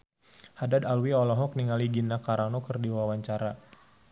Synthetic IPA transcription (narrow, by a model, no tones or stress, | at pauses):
hadad̪alwiɔlɔɦɔk̚niŋaliɡinakaɾanɔkərdiwawaɲt͡ʃaɾa